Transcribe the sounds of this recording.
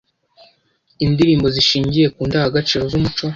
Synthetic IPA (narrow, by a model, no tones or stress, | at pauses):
indiɾiːmbo̞ziʃiːɲɟije̞kuːndahaɡat͡ʃiːɾo̞zumut͡ʃo̞